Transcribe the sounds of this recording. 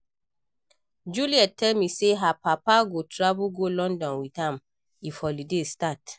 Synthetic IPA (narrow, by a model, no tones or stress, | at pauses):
d͡ʒuliɛttʰːɛlmiseɦapapaɡotɾabuɡolɔ̃ndɔ̃nwitãm | ifɔlidestat